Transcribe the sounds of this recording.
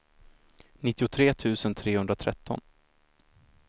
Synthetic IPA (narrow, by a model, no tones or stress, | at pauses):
nɪt̪ːɪʊt̪ʰɾeːt̪ʰʉ̟ːsənt̪ʰɾeːhɵnd̪ɾat̪ʰɾɛ̰t̪ʰːɔ̰n